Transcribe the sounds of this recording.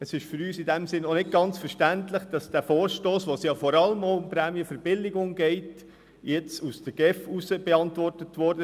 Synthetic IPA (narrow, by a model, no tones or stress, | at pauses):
əsɪʃfʏɾyːsɪdæmsɪnːonɪt̚ɡ̥ɑnt͡sfəɾʃtæntləχd̥ɑsd̥æːfɔːɾʃtoːsʋosjɑːfɔɾɑləmoʊʊmpɾæːmiəfəɾb̥ɪlːɪɡʊŋɡɛɪt | jɛt͡susd̥əɡ̥ɛfusəb̥ɛɑntvɔrtətʋɔɾdə